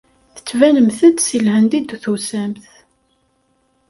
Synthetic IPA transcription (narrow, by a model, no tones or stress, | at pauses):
θə̥t͡sːvænəmθəd̪silhənd̪id̪θusæmθ